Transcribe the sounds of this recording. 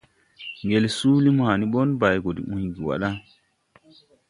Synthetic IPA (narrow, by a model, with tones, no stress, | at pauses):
ŋɡe˨lsuː˦li˦mha˨ni˦ɓɔ˦nba˨jɡo˨dḭ˨ʔũ˨ɲɡi˨wa̰˨ɗa˦